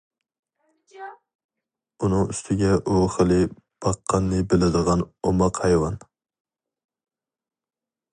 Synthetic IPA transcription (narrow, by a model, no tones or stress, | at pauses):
unɨŋyst̪ʰɪɡʲɛʔoχəlˠɪ | b̥ɑqʰːɑnːɨbɪlɪd̪əʁɑnomɑqhɑjwɑn